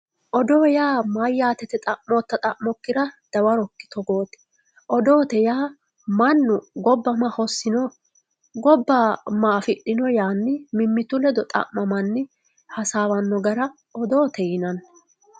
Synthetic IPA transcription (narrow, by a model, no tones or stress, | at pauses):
ʔɔd̪oːjaːmajːaːt̪ɛt̪ɛt̪ʼɐʔmot̪ːɐt̪ʼɐʔmɔkːɪɾɐd̪̥ɐwɐɾɔkːɪ̥t̪ɔɡoːt̪ɛ̥ | ʔɔd̪o̞ːt̪ɛjaː | mɐnːʊɡɔbːɐmahɔsːɪnɔ | ɡɔbːɐmaːfɪɗːɪnɔjaːnːɪmɪmːɪt̪ʊlɛd̪ɔt̪ʼɐ̰ʔmɐmɐnːɪ | hɐsaːwɐnːɔɡɐɾɐ | ɔd̪o̞ːt̪ɛjɪnɐn